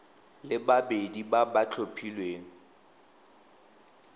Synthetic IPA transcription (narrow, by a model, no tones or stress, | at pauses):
lɪbabedibabat͡ɬʰopʰilweːŋ̩